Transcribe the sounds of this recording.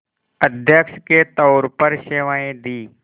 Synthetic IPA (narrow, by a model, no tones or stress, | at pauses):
əd̪ʱjəkʃket̪əʊɾpəɾʃeʋaẽd̪iː